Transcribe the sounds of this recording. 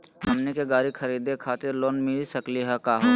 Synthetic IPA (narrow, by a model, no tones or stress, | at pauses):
ɦɐmnekeɡaːɾikʰɐɾiːd̪ekʰaːt̪ɪɾloːnmɪlisɐkliɦɛkaːɦoː